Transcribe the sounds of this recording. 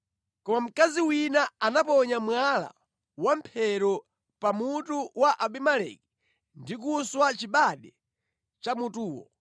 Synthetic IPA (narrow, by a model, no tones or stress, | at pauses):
kɔmam̩kaziwinaanapɔɲamwala̰ | wampʰɛɾɔ | pamutuwaʔaɓimalɛ̰ki̥ | ndik̬uswat͡ʃiɓaɗɛ | t͡ʃamutuːwɔ̰